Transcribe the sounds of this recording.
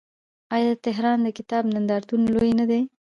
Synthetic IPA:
ɑjɑd̪ət̪ɪɦɾɑnd̪əkɪt̪ɑbnand̪ɑɾt̪unlojnad̪e

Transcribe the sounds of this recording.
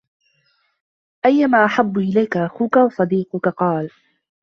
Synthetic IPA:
ʔajːamaːʔaħabːʊʔɪlajkaʔaxuːkawɑsˤɑd̪iːqʊkaqɑːl

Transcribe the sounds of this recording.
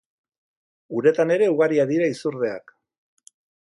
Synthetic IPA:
uɾe̞t̪ane̞ɾe̞uɣaɾiaðiɾaisuɾðe̞a̰k

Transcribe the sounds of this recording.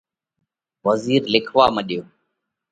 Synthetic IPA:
ʋəziːɾlɪkʰʋaːməɗjoː

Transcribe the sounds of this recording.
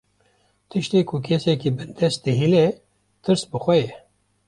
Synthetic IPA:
t̪ʰɨʃt̪eːkʰʊkʰesɛkibɨnd̪ɛst̪̚d̪ɨɦilɛ | t̪ʰɨɾsbɨxʷɛjɛ

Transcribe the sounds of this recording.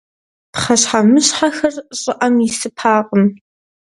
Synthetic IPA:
pχɐɕħamɨɕħaxɐrɕʼɪʔɐmisɨpʰaːqʼəm

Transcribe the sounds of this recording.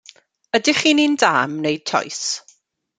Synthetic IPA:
ədɪχiːninda̰ːmnejd̥̚tʰɔ̰js

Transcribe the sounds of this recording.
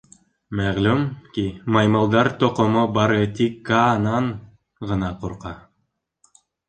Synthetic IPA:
mæʁlʉmkimɑjmɑlˠd̪ɑɾt̪ŏqŏmobɑɾɤt̪ikːanɑɴ | ʁɤ̆nɑquɾqɑ

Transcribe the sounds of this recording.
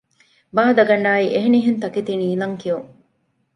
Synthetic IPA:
baːd̪ɐɡɐnːaːiʔeɦeniɦent̪ɐket̪iniːlɐŋkijuŋ

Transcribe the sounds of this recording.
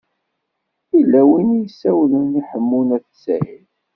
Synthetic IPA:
ilːæwinijsːæwləniħəmːunæθsæ̰jil

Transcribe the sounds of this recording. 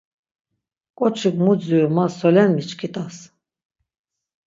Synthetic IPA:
kʼɔt͡ʃʰɨkmud͡zujumaɔlɛnmit͡ʃkʰit̪ʼas

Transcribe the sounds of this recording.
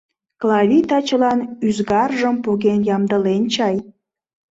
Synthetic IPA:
klɑvʲit̪ɑt͡ɕəlɑnyzɣɑrʒəmpuɣenjɑmd̪əlent͡ɕɑj

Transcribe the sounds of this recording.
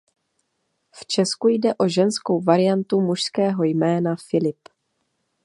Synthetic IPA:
ft͡ʃɛskujdɛʔo̞ʒɛnsko̞wvaɾɪjant̪umuʃskɛːɦo̞jmɛːnafɪlɪp

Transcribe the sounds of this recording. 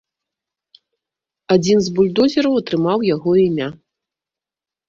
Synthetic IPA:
ad͡zʲinzbulʲd̪ɔzʲɪɾɐwɐt̪ɾɨmawjaɣɔimʲa

